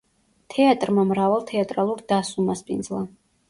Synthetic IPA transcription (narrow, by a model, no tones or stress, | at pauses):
t̪ʰɛat̪ʼɾmamɾavalˠt̪ʰɛat̪ʼɾalˠuɾd̪asumaspʼind̪zlˠa